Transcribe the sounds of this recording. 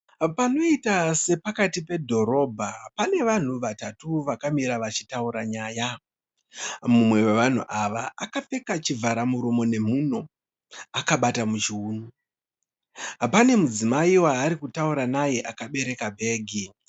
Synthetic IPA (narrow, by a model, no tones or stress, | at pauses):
pano̞itase̞pakatipe̞dʱo̞ɾo̞ːbʱapane̞ʋan̤uʋatatuʋakamiɾaʋat͡ʃitauɾaɲaːja | mumwe̞weʋan̤uʔaʋaakafe̞kat͡ʃivʱaɾamuɾomo̞ne̞muno̞ | akaɓatamud͡ʒːnu | pane̞mud͡zimaiwaːɾikutauɾanaje̞ʔakaɓe̞ɾe̞kabʱe̞ːɡʱi